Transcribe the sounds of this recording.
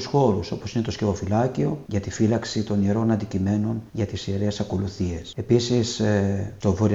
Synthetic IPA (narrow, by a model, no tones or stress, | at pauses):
sxo̞ɾuso̞posine̞t̪o̞sce̞vo̞filɐcio̞ʝɐt̪ifilɐksit̪o̞nieɾo̞nɐnd̪icime̞no̞nʝɐt̪isieɾe̞sɐko̞luθie̞se̞pisist̪ovoɾi